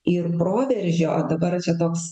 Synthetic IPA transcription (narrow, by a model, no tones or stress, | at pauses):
ɪrpɾoːʋʲɛɾʲʒʲoːʔo̰ːd̪ɐbɐɾt͡ʃʲɛt̪oːks